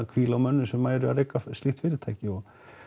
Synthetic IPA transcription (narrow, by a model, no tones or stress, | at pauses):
akʰviːlawmœnːʏsɛmːaːjɾʏaɾeːjkast̪iht̪fɪːɾɪt̪ʰaːjcɪɔɣ